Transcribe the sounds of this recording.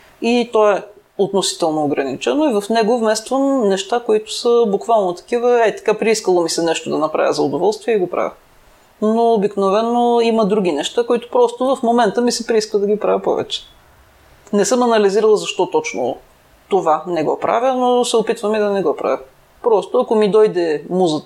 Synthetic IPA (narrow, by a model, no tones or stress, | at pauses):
it̪ɔɛ | ot̪nosi̥t̪ɛlˠnoːɡɾɐnit͡ʃɛnoivɐfnɛɡʊvmɛst̪vəmnɛʃt̪akoit̪ʊ̥səbukvalˠnot̪ɐ̥k̟ivəɛt̪ɐ̥kapɾiiskəlˠomisɛnɛʃt̪od̪ɐnɐpɾʔa̰vʲəzɐʊd̪ovɔlˠst̪viɛiɡopɾa̰vʲə̰ | noːbiknovɛnːoimɐd̪ɾuɡ̟ʲinɛʃt̪akoit̪ʊ̥pɾɔst̪ʊvɐfmomɛnt̪əmisɛpɾiiskvəd̪ɐɡipɾavʲəpɔ̰vɛ̰t͡ʃɛ̥ | nɛsɤmɐnɐliziɾəlˠəzɐʃt̪ɔt̪ɔt͡ʃno̰ | t̪ovanɛɡɔ̰pɾʔa̰vʲənosɛopit̪vəmid̪ɐnɛɡɔpɾa̰vʲɐ | pɾɔst̪oɐkomid̪ɔjd̪ɛmuzət̪